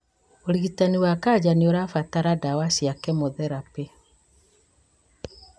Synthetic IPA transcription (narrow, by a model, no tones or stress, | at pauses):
oɾiɣitaniwakaːd͡ʑaneoɾafataɾadawasiakɛmoðɛɾape